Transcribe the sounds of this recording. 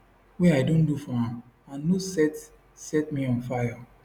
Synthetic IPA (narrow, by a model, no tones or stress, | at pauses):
wɛaɪdõndufɔhã | ãnnosɛt | sɛtmĩɔ̃nfaja